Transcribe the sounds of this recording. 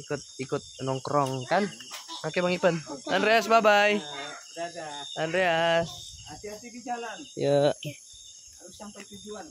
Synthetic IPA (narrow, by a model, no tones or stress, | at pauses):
ikʊt̪̚ikʊt̪̚nɔŋkɾɔŋkankakebaŋipənanɾeasbabaj | anɾeas | ja